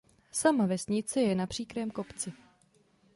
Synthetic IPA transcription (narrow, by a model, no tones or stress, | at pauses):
samavɛsɲɪt͡sɛjɛnapr̝̥iːkɾɛːmko̞pt͡sɪ